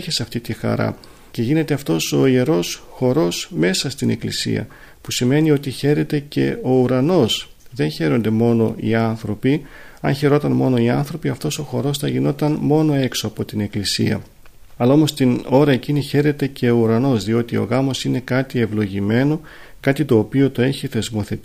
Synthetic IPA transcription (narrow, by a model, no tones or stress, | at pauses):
çesɐft̪it̪ixɐ̰ɾɐ̰ | ce̞ʝine̞t̪e̞ɐft̪o̞so̞ie̞ɾo̞sxo̞ɾo̞sme̞sɐst̪ine̞̰klisḭɐ̰ | pusime̞nio̞t̪içe̞ɾe̞t̪e̞ce̞̰o̞uɾɐno̞s | ðe̞nçe̞ɾo̞nd̪e̞mo̞no̞ḭɐnθɾo̞pi | ɐ̰nçe̞ɾo̞t̪ɐnmo̞no̞iɐ̰nθɾo̞piɐft̪o̞so̞xo̞ɾo̞sθɐʝino̞t̪ɐnmo̞no̞e̞kso̞ɐpo̞t̪ine̞klisḭɐ̰ | ɐlɐo̞mo̞st̪ino̞ɾɐeciniçe̞ɾe̞t̪e̞ce̞o̞uɾɐno̞zðio̞t̪io̞̰ɣɐmo̞sine̞kɐt̪ie̞vlo̞ʝime̞no̞ | kɐt̪it̪o̞ːpio̞t̪o̞e̞çiθe̞zmo̞θe̞t̪i